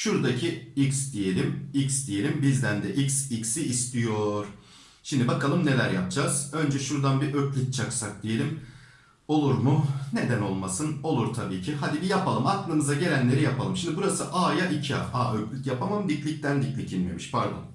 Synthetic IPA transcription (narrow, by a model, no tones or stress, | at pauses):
ʃuɾd̪acʰiiksd̪ije̞lʲimiksd̪ije̞lʲimbizd̪ænd̪ɛʔiksiksiːst̪ʰijo̞ɾ̥ | ʃimd̪ibakʰalˠɯmne̞lʲæɾja̰p̚d͡ʒaz̥ø̞nd͡ʒɛʃuɾd̪anbiʔøclʲyc̚t͡ʃʰaksak̚d̪ije̞lʲim | o̞lˠuɾmʊne̞d̪æno̞lˠmasɯno̞lˠuɾt̪ʰabiːcʰiɦad̪ibijapʰalˠɯmaklˠɯmɯzaɟe̞lʲænlʲe̞ɾijapʰalˠɯmʃimd̪ibuɾasɯʔaːjaʔicʰia̰aːøclʲycjapamamd̪iclʲic̚t̪ænd̪iclʲicʰinmḛmi̥ʃpʰaɾd̪o̰n